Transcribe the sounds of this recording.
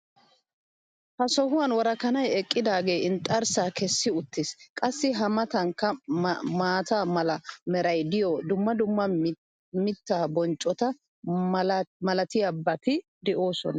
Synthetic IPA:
hɐsɔɦʊwɐnwɔɾɐkɐnɐjɛkʼːɪd̪aːɡe̞ːɪnt̪ʼːɐɾsaːkɛsːɪʊt̪ːɪskʼɐsːɪɦɐmɐt̪ɐŋkːɐmaːt̪aːmɐlɐmɛɾɐjd̪ɪjɔd̪ʊmːɐd̪ʊmːɐ | mɪt̪ːaːbɔnt͡ʃʼːɔt̪ɐ | mɐlɐt̪ɪjabɐt̪ɪ | d̪ɛʔo̞ːsɔ̰nɐ

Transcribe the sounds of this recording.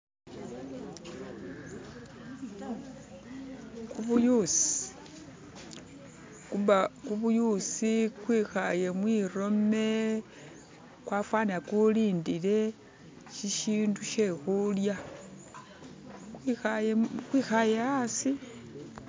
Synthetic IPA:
kuβujusi̥ | kuβakuβujusikwiːxaje̞mwiːro̞me̞ | kwafwaniakuliːndile̞ | ʃiʃiːnduʃe̞xulja | akwiːxajeasi

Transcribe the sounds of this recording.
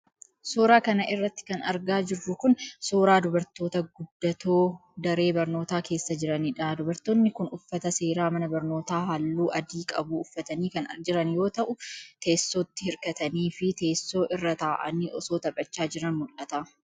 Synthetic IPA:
soːɾaːkɐnɐʔɪrːɐt̪ːɪ̥kɐnɐ̰ɾɡaːd͡ʒɪrːʊkʊnsoːɾaːd̪ʊbɐɾt̪oːt̪ɐɡʊd̪ːɐt̪ʰo̞ːd̪ɐɾe̞ːbɐɾno̞ːt̪aːke̞ːsːɐd͡ʒɪɾɐniːᶑɐd̪ʊbɐɾt̪oːnːɪkʊnʊfːɐt̪ɐse̞ːɾaːmɐnɐbɐɾno̞ːt̪aːɦɐlːuːʔɐd̪iːkʼɐbuːʊfːɐt̪ɐniːkɐnɐ̰d͡ʒɪɾɐnjo̞ːt̪ɐʔʊt̪e̞ːsːoːt̪ːɪhɪɾkɐt̪ɐniːfɪt̪e̞ːsːo̞ːʔɪrːɐt̪aːʔɐ̰niːʔɔso̞ːt̪ɐpʼɐt͡ʃːaːd͡ʒɪɾɐnmʊlɐt̪a

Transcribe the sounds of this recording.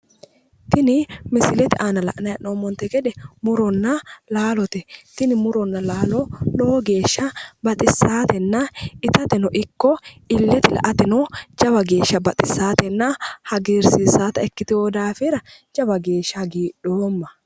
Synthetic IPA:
t̪ɪnɪmɪsɪlɛt̪ɪʔaːnɐlɐ̰ʔnɐjɐʔoːmɔnt̪ɛɡɛᶑ̪ɛmʊɾɔnːɐlaːlɔt̪ɛt̪ɪnɪmʊɾɔnːɐlaːlɔloːɡe̞ːʃːɐbɐt̪ʼɪsːaːt̪ɛnːaɪt̪ɐt̪ɛnɔʔɪkːɔɪlːɛt̪ɪlɐ̰ʔɐt̪ɛnɔd͡ʒɐbɐɡe̞ːʃːɐbɐt̪ʼɪsːaːt̪ɛnːahɐɡeːɾsisaːt̪ɐɛkːɪt̪ɪhoːd̪aːfɪɾɐd͡ʒɐbɐɡe̞ːʃːɐɡiːᶑoːmːɐ

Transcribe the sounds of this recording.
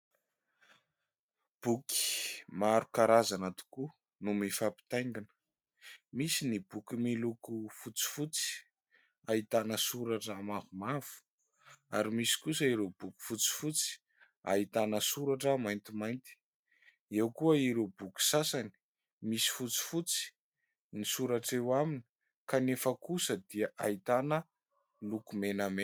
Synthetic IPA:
b̥uki̥maɾukaɾazanat̪u̥ku | numifapi̥t̪ajŋɡanə̥ | misinibukimilukufut͡si̥fut͡si̥ | aɦit̪anəsuɾaʈ͡ʂːmavumav̥u̥ | a̰ɾimisi̥kus̬əiɾeb̥uku̥fut͡si̥fut͡si̥ | a̰it̪anəsuɾaʈ͡ʂəmajnt̪imajnt̪i̥ | ewkuəiɾebuku̥sasani̥ | misi̥fut͡si̥fut͡si̥ | nisuɾaʈ͡ʂewamini̥ | kanefəkusəd̪iaʔait̪anə | lukumename

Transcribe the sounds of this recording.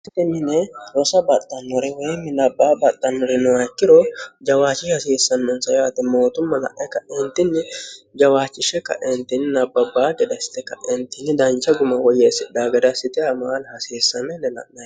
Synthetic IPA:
st̪ɪnːɪnɛɾɔsɐbɐt̪ʼːɐnːɔɾɛwɔjmːɪnɐbːaːbɐt̪ʼːɐnɔɾɛnɔɐkːɪɾɔd͡ʒɐwaːt͡ʃːɪʃhɐseːsːɐnːɔnsɐjɐt̪ɪmoːt̪ʊmːɐlɐ̰ʔɛkːɐʔɛnt̪ːɪnːɪd͡ʒɐwaːt͡ʃːɪʃɛkɐ̰ʔɛnt̪ɪnːɪnɐbːɐbaːɡɛd̪ɐsɪ̥t̪ɛkɐʔɛnt̪ːɪnːɪd̪ɐnt͡ʃːɐɡʊmɐwɔjesɪd̪aːɡɛd̪ɐsɪt̪ɪɐmaːlhɐseːsːɐnɛnːɛnɐ̰ʔnɐ

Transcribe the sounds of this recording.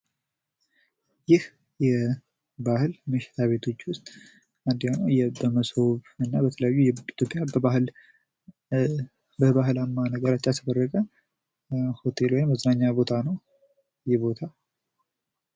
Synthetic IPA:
jɪh | jɛ | bahɨlmɨʃɪ̥t̪ʰaβe̞t̪ʰo̞t͡ʃːwʊst̪ʼ | and̪janjɛbəməsoβɨnːabət̪ʰələjajːujɛit̪ʰjo̞pʼːjal | bəβaɦɨlamːanəɡəɾat͡ʃːalt̪ʰəd̪ərːəkʼə | ho̞t̪ʰe̞lwɔjimːəznaɲːabo̞t̪ʰanəw | jɛbo̞t̪ʰa

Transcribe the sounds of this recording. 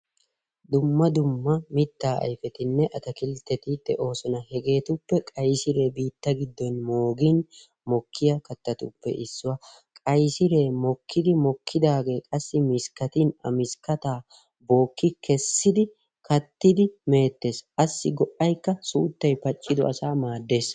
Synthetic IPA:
d̪ʊmːɐd̪ʊmːɐmɪt̪ːaːɐ̰jfɛt̪ɪnːɛʔɐt̪ɐkɪlt̪ːɛt̪ɪd̪ɛʔo̞ːsɔnɐhɛɡe̞ːt̪ʊpːɛkʼɐjsɪɾe̞ːbiːt̪ːɐɡɪd̪ːɔnmo̞ːɡɪn | mɔkʰːɪjɐkɐt̪ːɐt̪ʊpːɛ̰ʔɪsːʊwɐ | kʼɐjsɪɾe̞ːmɔkːɪd̪ɪmɔkːɪd̪aːɡe̞ːkʼɐsːɪmɪskɐt̪inɐ̰mɪskɐt̪aː | bo̞ːkːɪkɛsːɪd̪ɪ | kɐt̪ːɪd̪ɪme̞ːt̪ːe̞ːsʔɐsːɪɡɔʔɐjkːɐsuːt̪ːɐjpɐt͡ʃʼːɪd̪ɔɐsaːmaːd̪ːe̞ːs

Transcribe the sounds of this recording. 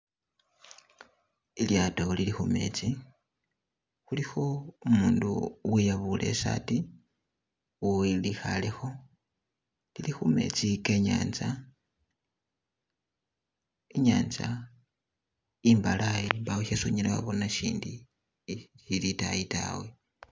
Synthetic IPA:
iljataolilixume̞̰t͡si | xulixo̞umuːnduwijaβulʔe̞̰sa̰ti | wuilixalexo̞ | lilixume̞̰t͡sikeɲa̰ːnza | iɲaːnza | imbalajimbaweʃesuɲilaβa̰βo̞naʃiːndi | ʃilitajita̰we

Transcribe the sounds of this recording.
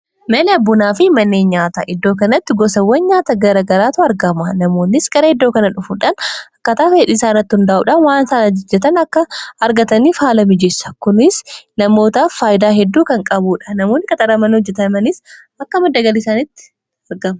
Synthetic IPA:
mɐlɛɐbːʊnaːfɪmɐnːeːnɲaːt̪ɐ̰ʔɪd̪ːoːkɐnɐt̪ːɪɡɔsɐwːɐnɲaːt̪ɐɡɐɾɐɡɐɾaːt̪ʊɐɾɡɐmɐnɐmo̞ːnːɪsɡɐɾɐɪd̪ːo̞ːkɐnɐᶑʊfuᶑanɐkːɐt̪aːfeːᶑiːsaːnɐt̪ːɪhʊnd̪aʔṵːᶑɐnwaːnsaːnɐd͡ʒd͡ʒːɛt̪ɐnɐkːɐːɾɡɐt̪ɐniːfhaːlɐmɪd͡ʒɛsːɐ̥kʊnɪsnɐmo̞ːt̪affaːjɪd̪aːɦɛd̪ːuːkɐŋkʼɐbuːᶑɐ̥nɐmoːnːɪkʼɐt̪ʼɐɾɐmɐnhɔd͡ʒːɛt̪ɐmɐnɪs | ɐkːɐmɐd̪ːɐɡɐlɪsaːnɪt̪ːɪ̥ | ɐɾɡɐmɐ

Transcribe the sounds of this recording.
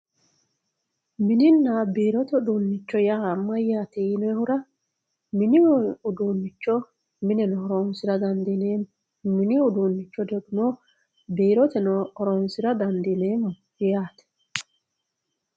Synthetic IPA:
mɪnɪnːabiːɾɔt̪ɛʊd̪uːnːɪt͡ʃːɔjaːmːɐjaːt̪inɔɛhʊɾɐ | mɪnɪʊd̪uːnːɪt͡ʃːɔ | mɪnɛnɔɔɾoːnsɪɾɐd̪ɐnd̪ineː | mɪnɪʊd̪uːnːɪt͡ʃːɔd̪ɛɡʊnɔ | biːɾɔt̪ɛnɔɔɾɔːnsɪɾɐd̪ɐnd̪ɪneːmʊ | jɛjaːt̪ɛ̥

